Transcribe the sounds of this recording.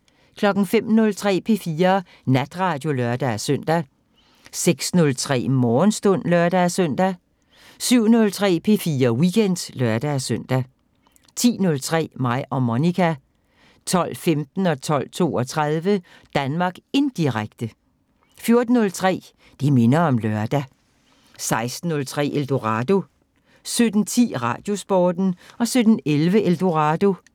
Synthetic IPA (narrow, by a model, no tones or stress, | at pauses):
kʰlɒ̽ɡ̥n̩fem̰nɔ̽lt͡sʰʁɛ̰ːpʰe̝fiːɐ | næd̥ʁɑ̈d̥jo̝lœɐd̥ææsœn̰d̥æ | seɡ̥snɔ̽lt͡sʰʁɛ̰ːmɒːnsd̥ɔ̽n̰lɶɐd̥æsœn̰d̥æ | syʊ̰nɔ̽lt͡sʰʁɛ̰ːpʰe̝fiːɐwiɡ̥en̰d̥lɶɐd̥æsøn̰d̥æ | t͡sʰḭːnɔ̽lt͡sʰʁɛ̰ːmɑ̈ɪ̰ɒ̽monikʰæ | t͡sʰɒ̽l̰femd̥n̩ɒ̽t͡sʰɒ̽l̰t͡sʰo̝̰ːɒ̽t͡sʰʁað̞ˠʋə | d̥ænmɑ̈ːɡ̥e̝nd̥iʁaɡ̥̚d̥ə | fjo̝ɐd̥n̩ːɔ̽lt͡sʰʁɛ̰ː | d̥eme̝nɐɒ̽mlœɐd̥æ | sɑ̈ɪsd̥n̩ːɔ̽lt͡sʰʁɛ̰ːʔeld̥o̝ʁɑd̥o̝ | sød̥n̩t͡sʰḭːʁɑ̰̈ːd̥jo̝sb̥ɒːd̥n̩ɒ̽sød̥n̩elʋəʔeld̥o̝ʁɑd̥o̝